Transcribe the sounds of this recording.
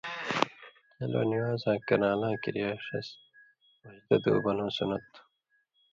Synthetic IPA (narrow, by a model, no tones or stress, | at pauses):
ɐlo̰ːniwaːzãːkɐnaːlãːkiɾijaːʂɐ̰s | wɐʑd̪ɐd̪ṵːbɐnõːsunɐt̪ː